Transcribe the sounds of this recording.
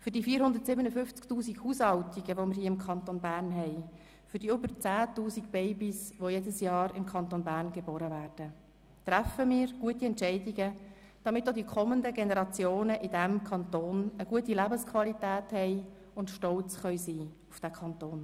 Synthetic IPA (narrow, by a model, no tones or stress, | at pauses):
fʏɾdiːfiːəɾhʊndəɾtsɪbənəfʏnft͡sktuːsikhuːshɑltiɡ̥əʋomɪɾhiːɪmkʰɑnt̪onbæːrnɦɛɪ | fʏdiːʏbəɾt͡sæːtuːsikb̥ɛɪbisʋojedəsjɑːɾɪmkʰɑnt̪onbæːɾnɡeboːɾəvæːrd̥ə | t̪ɾæfəmiːɾɡ̥uətiɛntt͡ʃɛɪdiɡə | d̥ɑmɪtːodikʰɔməndəɡenɛɾɑt͡sjoːnəʔɪdæmkʰɑnt̪oːnəɡuətilæbəskʰʋɑlitæːthɛɪ | ʊntʃtɔlt͡sχœʏsiː | ufd̥ækʰɑnt̪oːn